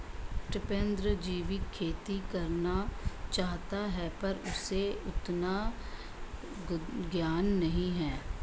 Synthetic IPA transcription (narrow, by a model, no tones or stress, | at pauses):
ʈɪpẽnd̪ɾəd͡ʒiːʋɪkʰːeːt̪ikəɾnat͡ʃaːɦt̪aɦɛpɐɾʊseʊt̪na | ɡjaːnːəɦĩɦɛː